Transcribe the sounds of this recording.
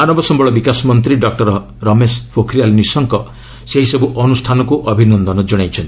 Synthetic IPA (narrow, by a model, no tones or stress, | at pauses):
anɔbɔsɔmbɔɭɔbikasɔmɔnt̪̬ɾiɖɔk̚ʈɔɾɔ | ɾɔmespʰokʰɾialnisɔŋkɔ | seɦisɔbuʔɔnusʈʰanɔkuʔɔbʱinɔnd̪ɔnɔd͡ʒɔɽ̃ajt͡ʃʰɔnt̪